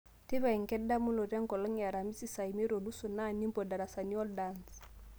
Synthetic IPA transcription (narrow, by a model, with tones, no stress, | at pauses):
tɪ˦βa˨i˨ŋ̩˨kɛ˦da˦mʊ˦lɔ˨ɾa˦ŋkɔ˨lɔ˦ŋ˨a˨ɾa˨mi˦si˦sa˨i˨me˦ɾo˨lu˦su˨na˦˨ni˦mbɔ˨da˨ɾa˨sa˨ni˦ɔ˦ldans